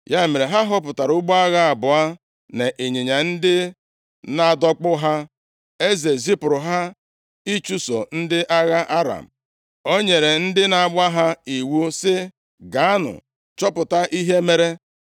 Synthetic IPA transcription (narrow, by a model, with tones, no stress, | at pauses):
ja˦e˨me˨ɾe˨ɦa˦ɦʊ˦p̬ʊ˨ta˨ɾʊ˦ɡ͡bɔ˦a˦ɣa˦a˨bʊ˨a˦ | ne˨ʔe˨ɲe˨ɲa˨n̩˦dɪ˦ | na˨dɔ˦k͡pʊ˦ɦa˦ | e˦ze˨zi˦pʊ˨ɾʊ˨ɦa˦ | i˦t͡ʃu˦so̰˨n̩˦dɪ˦ʔa˦ɣa˦ʔa˦ɾa̰˨m̩˨ | o˦ɲe˨ɾe˨n̩˦dɪ˦na˨a˨˦ɡ͡bʷa˦ɦa˦i˨wu˦sɪ˦ | ɡa˨˦a˦nʊ̰˨ | t͡ʃɔ˦pʊ˨ta˦ʔi˦ɦe˦me˨ɾe˦